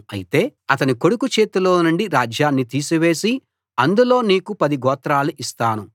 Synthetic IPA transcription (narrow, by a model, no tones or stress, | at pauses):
ɐ̰jit̪e̞ːɐt̪ɐniko̞ɽukut͡ʃe̞ːt̪ulo̞ːnuɳɖiɾaːd͡ʒjaːnːit̪iːsuʋe̞ːsi | ɐnd̪ulo̞ːniːkupɐd̪iɡɔːt̪ɾaːluʔist̪aːnu